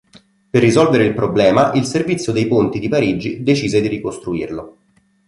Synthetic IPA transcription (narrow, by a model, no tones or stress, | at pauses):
perːizɔlveɾeilpɾoblɛːmaʔilservit̪sːjod̪ejpont̪id̪ipaɾid͡ʒid̪et͡ʃiːzed̪iɾikost̪ɾuirlo